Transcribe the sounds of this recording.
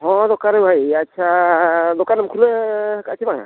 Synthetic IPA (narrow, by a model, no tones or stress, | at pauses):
ɦɔ̃d̪ɔkanɔbʱajatːʃʰadɔkanamkʰulɛkatʰibaŋa̰